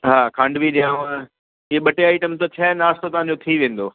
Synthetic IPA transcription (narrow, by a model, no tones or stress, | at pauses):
ɦaːkʰãːɳɖʋiɗijãːʋãː | ɪɦeɓɐʈeaːɪʈəmt̪ɐt͡ɕʰɛːnaːst̪ot̪ɐʋ̤ãɲd͡ʑot̪ʰiʋẽːn̆d̪oː